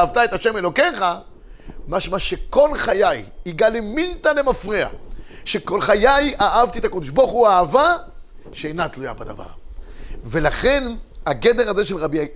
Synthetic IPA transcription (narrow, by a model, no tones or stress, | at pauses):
avt̪ae̞t̪aʃe̞melo̞ke̞χa | maʃmaʃeko̞lχajajiɡalemint̪anemafʁia̰ʃeko̞lχajajaʔavt̪iet̪akod̪oʃboχuaːvaʃeejnat̪luja̰bad̪a̰va̰ʁ | ve̞laχe̞naɡed̪e̞ʁaze̞ʃelʁabia